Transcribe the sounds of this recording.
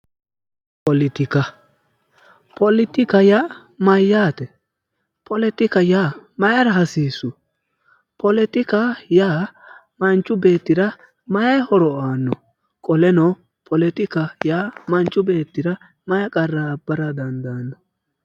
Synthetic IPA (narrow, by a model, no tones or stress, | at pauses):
pɔlɪt̪ɪkɐ | pʰɔlɪt̪ɪkɐja | mɐjːaːt̪ɛ | pɔlɛt̪ɪkɐjaːmɐjɐɾɐɦɐsiːsʊ | pʰɔlɛt̪ɪkajaː | mɐnt͡ʃʼːʊbe̞ːt̪ːɪɾɐ | mɐjɐhɔɾɔaːnːɔ | kʼɔlɛnɔ | pʰɔlɛt̪ɪkɐjaːmɐnt͡ʃʼːʊbe̞ːt̪ːɪɾɐ | mɐjɐkʼɐrːabːɐɾɐd̪ɐnd̪aːnːɔ